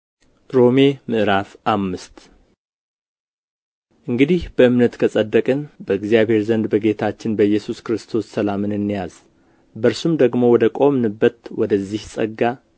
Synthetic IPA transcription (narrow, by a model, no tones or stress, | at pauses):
ɾo̞memɨʔɾafʔamːɨst̪ | ʔɨŋɡɨd̪ihb̥əɨmnət̪kʰəsʼəd̪ːəkʼɨnbəɨɡzijaβhe̞ɾzənd̪bəɡe̞t̪ʰat͡ʃːɪnbəjːɛsuskɾɨst̪ʰo̞sːəlamɨnɨnːijaz̥ | bəɾsumd̪əɡmo̞wɔd̪əkʼo̞mnɨbːət̪wɔd̪əzːihsʼə̰ɡːa